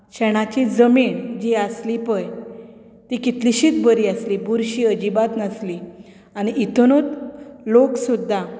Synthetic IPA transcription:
ɕɛɽ̃at͡ɕid͡zəmiɳd͡ʑiəslipəj | t̪ikit̪liɕiːt̪bəɾiəslibuɾɕiəd͡ʑibat̪nəsli | aɽ̃iit̪unot̪loksud̪ʱːa

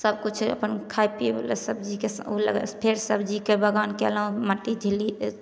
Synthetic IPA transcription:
səb̚kut͡ʃʰə̰pənkʰajpḭlḛsəbd͡ʒikesulə̰ɡpʰeɾsəbd͡ʒikebəɡankelə̃məʈːid͡ʒʱili

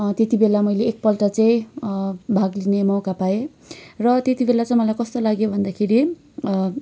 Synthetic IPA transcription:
t̪et̪ibelamʌjleːk̚pʌlʈat͡saĩ | bʱaɡlinemʌwkapae | rʌt̪et̪ibelat͡sʌĩj̃mʌlajkʌst̪olaɡjobʱʌnd̪akʰeɾi

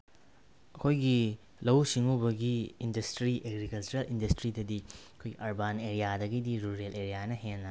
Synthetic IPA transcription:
ɐkʰojɡi | lɐwsiŋubɐɡiːndɐstɾiʔeɡɾikɐlt͡ʃuɾelindɐstɾidɐdiɐkʰojɡiʔɐɾbaneɾijadɐɡidiɾuɾeleɾijajnɐɦenlɐ

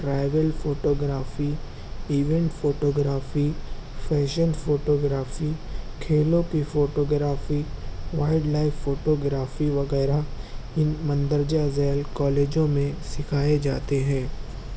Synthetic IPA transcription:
ɾaːɪʋəlfoːʈoːɡɾaːfi | iːʋɛ̃ɳʈfoːʈoːɡɾaːfifɛːʃənfoːʈoːɡɾaːfikʰeːlõkifoːʈoːɡɾaːfiʋaːɪɖlaːɪfːoːʈoːɡɾaːfiʋɐɣɛːɾaɪnmɐ̃nd̪əɾd͡ʒazɛːlkɔːleːd͡ʒõmẽsɪkʰaːed͡ʒaːt̪eɦɛ̃ː

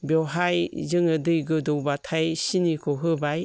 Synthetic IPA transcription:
bjɔɦajzɯŋɯdɯjɡɯdowbatʰajsinikʰɔɦɯbaj

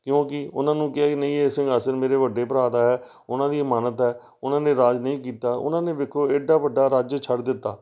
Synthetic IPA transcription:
kjõːkɪʊnãːnũːkɪɛːkinəĩːeːsɪ̃ŋɡəsəɾmeːɾeːʋəɖeːpəɾaːd̪aːɦɛː | ʊnãːd̪iːəmaːnət̪ɦɛː | ʊnãːnẽːɾaːd͡ʒnəĩːkiːt̪aːʔʊ̰nãːneːʋɪkʰːoːeːɖːaːʋəɖːaːɾaːd͡ʒt͡ʃʰəɽd̪ɪt̪ːa̰ː

